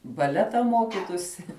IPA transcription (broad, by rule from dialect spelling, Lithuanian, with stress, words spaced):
bɐˈlʲæːtɐ ˈmoːkʲɪtuːsʲɪ